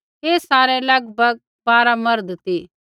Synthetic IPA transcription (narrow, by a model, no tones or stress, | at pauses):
ɦeːsaːɾɛlɐɡbʱɐɡ̚ | baːɾamɐɾd̪t̪iː